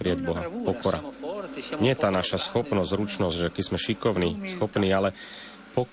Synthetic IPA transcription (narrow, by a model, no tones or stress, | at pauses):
pɾijaɟbɔɦapɔkɔɾa̰ | ɲɪɛjɛt̪aːnaʃasxɔpnɔzzɾut͡ʃnɔzɟʒɛkɛz̥mɛʃikɔʊniːsxɔpniːalɛ | pɔ